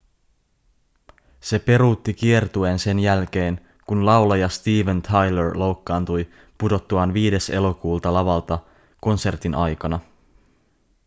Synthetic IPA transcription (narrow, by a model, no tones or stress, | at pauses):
se̞pe̞ɾuːt̪ːikie̞rt̪ue̞nse̞njælk̟e̞ːn | kunlɑwlɑjɑst̪iːʋent̪ʰɑjleɹlo̞wkːɑːnt̪uj | pudo̞t̪ːuɑnʋiːde̞se̞lo̞kuːlt̪ɑlɑʋɑlt̪ɑ | ko̞nse̞rt̪inʔɑjkɑnɑ